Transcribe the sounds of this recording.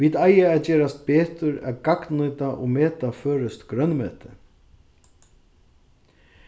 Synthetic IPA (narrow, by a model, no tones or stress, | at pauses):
ʋiːt̪ajaɛðd͡ʒɛːɾast̪̚beːt̪ʏɾɛ̰ðɡaknʊjt̪aʔɔ̰ɣmɛːt̪afœːɾɪst̪ɡɾœnmœːt̪ɪ